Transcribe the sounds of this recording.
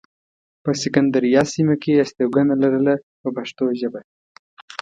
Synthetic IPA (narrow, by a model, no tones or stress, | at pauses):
pəsɪkand̪aɾijɑsimakeast̪ewɡanalaɾəla | pəpaʃt̪oʒəba